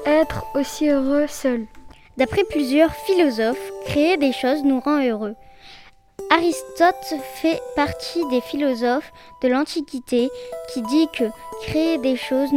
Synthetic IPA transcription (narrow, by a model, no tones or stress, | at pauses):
ɛt̪χosiøʁøsœl | d̪apχɛplyzjœʁfilɔzɔfkχeed̪eʃoznuʁɑ̃øʁø | aʁist̪ɔt̪fɛpaʁt̪ʰid̪efilɔzɔf | d̪̥əlɑ̃t̪ikʲit̪ekʲid̪ikəkχeed̪eʃoz